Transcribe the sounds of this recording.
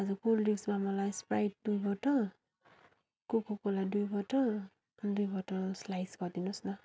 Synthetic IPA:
azukuldisbamɔlajspɹajt̚dujbɔtɔ | kukʰɔkɔladujbɔtɔ | dujbɔtɔslajskɔdinɔsna

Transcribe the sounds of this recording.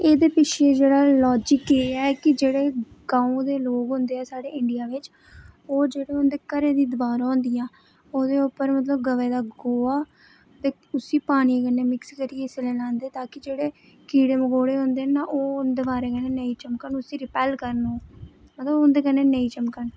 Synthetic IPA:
eːd̪eːpɪʃʰeːd͡ʒeːɽaːlɔːd͡ʒɪkeɛːkɪd͡ʒeːɽeː | ɡ̥ãːõd̪eːloːkɦʊ̃nd̪eːɛːsaːɽeːɪɳɖijaːʋɪt͡ʃ | oːd͡ʒeːɽeːond̪eːkəɾeːd̪iːd̪ʊaːɾaõːnd̪ɪjãː | oːd̪eːʊpːəɾmət̪ləb̚ɡəʋeːd̪aːɡoːaː | t̪eː | ʊsiːpaːniːkənːeːmɪkskəɾieseleːlãːnd̪eːt̪aːkɪd͡ʒeːɽeː | kiːɽeːməɡoːɽeːɦõːnd̪eːnaʔoːʊnd̪eːbaːɾeːkənːeːnəĩːt͡ʃəmkəɳʊsiːɾɪpɛːlkəɾnoːmət̪ləbʊnd̪eːkəneːnəiːt͡ʃəmkəɳ

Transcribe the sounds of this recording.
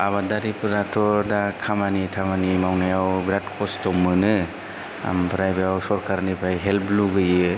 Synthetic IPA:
abadaɾipɯɾatʰɔdakʰamanitʰamanimawnajawbɾat̚kʰɔstɔmːɯnɯ | a̰mbɾajbajawsɔɾkʰaɾnipʰajɦelpluɡɯjɯ

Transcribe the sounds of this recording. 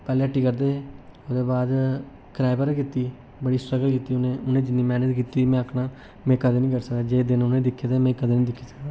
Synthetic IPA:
pɛːleːəʈːiːkəɾd̪eːoːd̪eːbaːd̪ | kɾaːɪbəɾẽkiːt̪iː | bəɽiːstəɡəlkiːt̪iːʊnẽːʊnẽːd͡ʒɪnːiːmɛːnəd͡ʒkiːt̪iːmɛ̃ːəkʰnaː | mɛ̃ːkəd̪eːnĩːkəɾsəkd̪aːd͡ʒeːd̪ɪnʊnẽːd̪ɪkʰːeːd̪eːmɛ̃ːkəd̪eːnĩːd̪ɪkʰːiːsə̥kd̪aː

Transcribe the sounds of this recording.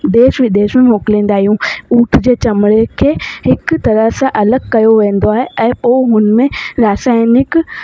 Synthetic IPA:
d̪eːʃʋid̪eːʃmẽmoːkɪlĩːn̆d̪aːɦijũuːʈʰd͡ʑeːt͡ɕɐmɪɽekʰeːhɪkt̪ɐɾəsãʔɐləɡkɐjoʋẽːn̆d̪oaːɦeʔɛ̃ːpoːɦʊnmẽɾaːsaːɪnɪk

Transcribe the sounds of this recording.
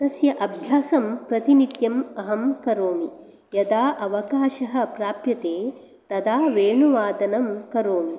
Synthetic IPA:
ɐsjɐʔɐbʱjaːsɐmpɾɐt̪init̪jɐmɐɦɐmkɐɾoːmi | jɐd̪aːʔɐʋɐkaːʃɐɦɐ̆pɾaːpjɐt̪eː | t̪ɐd̪aːʋeːɳuʋaːd̪ɐnɐmkɐɾoːmi

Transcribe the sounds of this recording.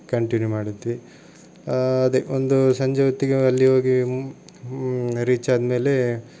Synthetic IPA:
kɐɳʈinjumaːɽit̪ːiʋi | ɐd̪eond̪usɐɲd͡ʒɐʋɐt̪ːiɡeɐlːiɦo̞ːɡi | ɾiːt͡ʃaːd̪ɐme̞ːle̞

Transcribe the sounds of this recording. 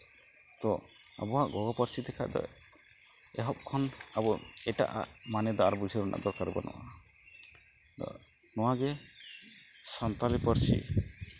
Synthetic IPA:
t̪ɔ | a̰bɔɦaʔɡɔɡɔpəɾsid̪ɛkʰa̰ʔd̪ɔ̰ | ɛ̰ɦɔp̚kʰɔnabɔɛʈa̰ʔa̰ʔmanɛd̪ɔaɾbud͡ʒiɾɔna̰ʔd̪ɔɾkaɾbɔnʔɔ̰wa̰ | ɔ̰ | nɔwaɡɛ | sant̪alipəɾsḭ

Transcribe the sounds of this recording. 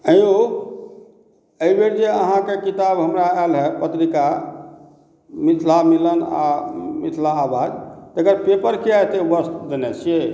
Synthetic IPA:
əjo | əibeɽd͡ʒeəɦãkekit̪abɦəmɾaɛlɦɛpət̪ɾika | mit̪ʰlamiləna̰mit̪ʰlaːbʱad̪t̪əəɡəɾpepəɾkiat̪ebəst̪d͡ʒenɛt͡ʃʰe

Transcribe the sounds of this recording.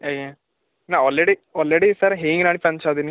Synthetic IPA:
eje | naːaːlɾeɽiaːlɾeɽisaɾɦeːŋɡenaːɽipɐnt͡ʃad̪iːni

